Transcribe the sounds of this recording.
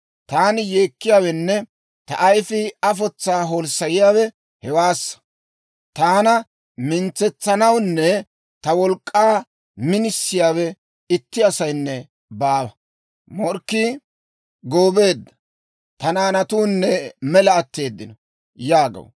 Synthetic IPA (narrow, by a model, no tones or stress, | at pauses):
t̪aːnɪjeːkːɪjaːwɛnːɛ | t̪ɐʔɐjfɪɐf̬ɔt͡sːaːɦoːlsɐjɪjaːwɛ | hɛwaːsːɐ̥ | t̪aːnɐ | mɪnt͡sːɛt͡sːɐnɐwnːɛ | t̪ɐwɔlkʼːaː | mɪnɪsːɪjaːwɛ | ɪt̪ːɪɐsɐjnːɛ | baːwɐ | mɔɾkːi | ɡoːbe̞ːd̪ːɐ̥ | t̪ɐnaːnɐt̪uːnːɛmɛlɐɐt̪ːe̞ːd̪ːɪnɔ | jaːɡɐ̰w